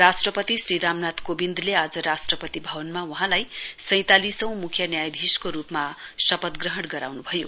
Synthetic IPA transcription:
ɾasʈrʌpʌt̪isriɾamnat̪kobind̪ʱlead͡zʌɾasʈrʌpʌt̪ibʱʌbʌnmawuɦãlajsʌ̃j̃t̪alisʌ̃w̃mukʰjʌnjajd̪ʱiskoɾupmasʌpʌt̪ɡrʌɦʌɽɡʌɾa̰wnubʱʌjo̰

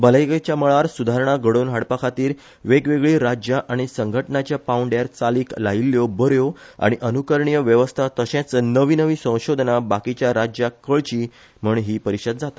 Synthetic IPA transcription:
bələjket͡ɕjaməɭaɾsud̪ʱaɾɳ̃aɡəɽonɦaɽpakʰat̪iːɾ | ʋeɡʋeɡɭiːɾad͡ʑjaʔaɽ̃isəŋɡʱəʈnat͡ɕjapauɳɖjaɾt͡saliːklailːjobəɾjoa̰ɽ̃iʔənukəɾɳijəʋjəʋəst̪ʰat̪əɕẽt͡sənəʋiːnəʋiːsə̃w̃ɕod̪ʱnabakit͡ɕjaɾad͡ʑjakəɭt͡ɕiː | m̤əɳɦiːpəɾiɕəd̪̚d͡zat̪a

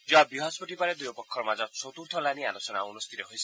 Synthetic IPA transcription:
d͡ʒɔabiɦɔspɔʈipaɾed̪ujɔpɔkʰːɔɾmad͡ʒɔt͡ʃʰɔt̪uɾt̪ʰɔlanialosɔnaunɔst̪ʰit̪ɔɦojsʰi̥

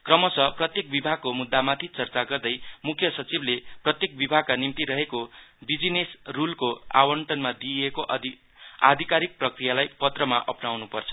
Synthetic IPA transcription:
krʌmʌsʌprʌt̪jek̚bibʱaɡ̚komud̪ːamat̪ʰit͡sʌrt͡saɡʌrd̪ʌjmukʰjʌsʌt͡sibleprʌt̪jek̚bibʱaɡ̚kanimt̪iɾʌɦekobid͡zinesrulkoa̰wʌɳʈʌnmad̪iekoʔ | a̰d̪ʱikaɾik̚prʌkrijalajpʌt̪rʌmaʔʌ̰pnawnupʌrt͡sʰʌ̥

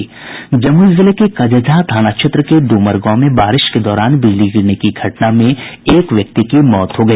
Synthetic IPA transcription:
d͡ʒɐmuɪzɪlekekɐd͡ʒəd͡ʒʱad̪ʰʱaːnakʃʰɪt̪ɾəkeɖuːməɾɡõmẽbaːɾɪʃked̪ɔːɾaːnbɪd͡ʒlid͡ʒɡɪɾnekiɡʱɐʈnamẽeːkʋjɐk̚t̪ikimɔːt̪ɦoɡɐiː

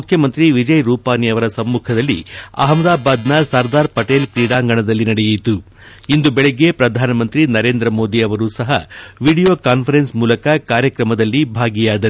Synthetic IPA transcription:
mukʰjɐmɐnt̪ɾiʋid͡ʒɐjɾuːpaːniɐʋɐɾɐsɐmːuːkʰɐd̪ɐlːḭɐ̰ɦɐmd̪aːbaːd̪nɐsɐɾd̪aːɾpɐʈeːlkɾiːɽaːŋɡɐɳɐd̪ɐlːinɐɽejit̪u | ind̪ubɛɭeɡːepɾɐd̪ʱaːnɐmɐnt̪ɾinɐɾe̞ːnd̪ɾɐmo̞ːd̪iɐʋɐɾuːsɐɦɐ̰ʋiːɽijo̞ːkaːnpʰɐɾensmuːlɐkɐkaːɾjɐkɾɐmɐd̪ɐlːibʱaːɡijaːd̪ɐ

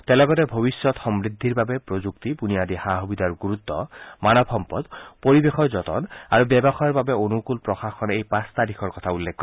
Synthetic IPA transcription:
t̪ɛlɔɡɔtɛbʱobisːɔt̪xɔmɹid̪ʱːiɹbabɛpɹozuk̚t̪ipunijad̪ixaɦubid̪ʱaɹɡuɹut̪ːɔ̰manɔbʰʱɔmpɔd̪poɹibexɔɹzɔtɔ̰na̰ɹubjɛbɔxɔjɔɹbabɛonukulpɹɔxaxkʰɔnejpãst̪adikʰɔɹkɔt̪ʰaulːek̚kːɔ

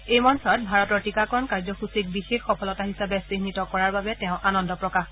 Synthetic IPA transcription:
ejmɔnsɔt̚bʱaɹɔtɔɹtikakɔɹɔnkaɹzɔxusik̚bixexːɔpʰɔlɔtaɦisabɛsenitɔkɔɹaɹbabɛtɛʊ̃ʔanɔndɔpɹɔkax

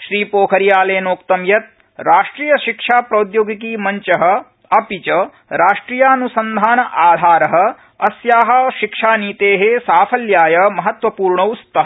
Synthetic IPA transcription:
ʃɾiːpoːkʰɐɾjaːleːnoːk̚t̪ɐmjɐt̪̚ | ɾaːʂʈɾiːjɐʃikʂaːpɾoːd̪joːɡikiːmɐɲt͡ʃɐɦɐ̆ | ɐpit͡ʃɐ | ɾaːʂʈɾiːjaːɐnusɐnd̪ʱaːnɐʔaːd̪ʱaːɾɐɦɐ̆ | ɐsjaːɦɐ̆ʃikʂaːniːt̪eːɦesaːpʰɐljaːjɐmɐɦɐt̪ʋɐpuːɾɳɐust̪ɐɦ

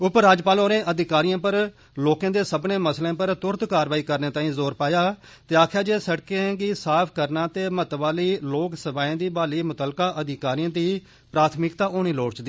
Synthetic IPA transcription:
ʊpɾaːd͡ʒpaːloːɾẽːʔəd̪ɪkaːɾijãːpəɾ | loːkãːd̪eːsəbnẽːməslẽːpəɾt̪ʊɾt̪kaːɾʋaːiːkəɾnẽːt̪aːĩːzoːɾpaːjaː | t̪eːaːkʰjaːd͡ʒeːsəʈkẽːɡiːsaːpʰkəɾnaːt̪eːmət̪ʋaːliːloːksəbaːẽːd̪iːbaːliːmʊt̪əlkaːʔəd̪ɪkaːɾijãːd̪iː | pɾaːt̪ʰmɪkt̪aːʔoːñiːloːɽt͡ʃd̪iː

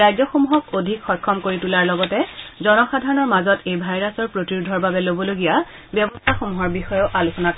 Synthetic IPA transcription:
ajzɔxomuɦɔkodʱikxɔjkʰːɔmkoɹitulaɹlɔɡɔtɛzɔnɔxadʱaɹɔnɔɹmazɔtʰejbʱajɹasɔɹpɹotiɹudʱɔɹbabɛlobɔloɡija | bjɔbɔstʰaxomuɦɔɹbixɔjɔʔalusɔnak

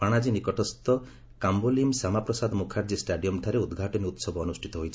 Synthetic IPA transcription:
paɽ̃ad͡ʒinikɔʈʰɔst̪ɔ | kambolimsamapɾɔsad̪mukʰaɾd͡ʒisʈaɖijɔmʈ̪ʰaɾeud̪ɡʱaʈɔniut̪sɔbɔːnusʈʰit̪ɔɦojt͡ʃʰi

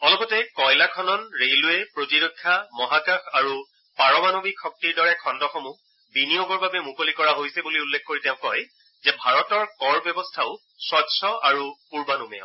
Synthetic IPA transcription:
ɔlɔpɔtɛkɔjlakʰɔnɔnɹeluɛpɹotiɹokʰːamɔɦakaxaɹu | paɹɔmanobikʰɔk̚tiɹdɔɹɛkʰɔndɔxɔmu | binijoɡɔɹbabɛmukolikɔɹaɦojsɛbuliulːekʰkoɹitɛʊ̃kɔj | zɛbʱaɹɔtɔɹkɔɹbjɔbɔstʰaʊ | sɔtsɔaɹupuɹbanumɛ

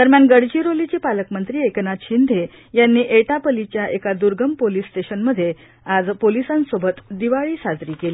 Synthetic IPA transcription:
d̪əɾmjanɡəɽd͡ʑiːɾolit͡ɕiːpaləkmənt̪ɾiːeknaɕind̪ʱe | janːiːʔeʈapəlit͡ɕjaʔekad̪uɾɡəmpolisːʈeɕənməd̪ʱːje | ad͡zpolisãnsobʱət̪d̪iʋaɭiːsad͡zɾiːkeli

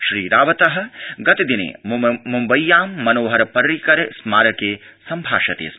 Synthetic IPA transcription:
ʃɾiːɾaːʋɐt̪ɐɦɐ̆ɡɐt̪id̪inḛːmumbɐjːaːmːɐnoːɦɐɾɐpɐɾːikɐɾesmaːɾɐkeːsɐmbʱaːʃɐt̪ḛːs

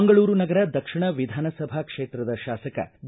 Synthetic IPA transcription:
ŋɡɐɭuːɾunɐɡɐɾɐd̪ɐkʂiɳɐʋid̪ʱaːnɐsɐbʱakʂeːt̪ɾɐd̪ɐʃaːsɐkɐ̰d̪

